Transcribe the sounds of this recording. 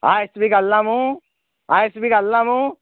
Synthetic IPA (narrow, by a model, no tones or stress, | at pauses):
a̰sbikalːamũ | aːsbikalːamũ